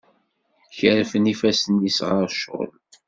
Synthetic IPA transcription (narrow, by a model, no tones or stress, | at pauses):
çəɾfənifæsənisʁəɾˤʃʊ̰l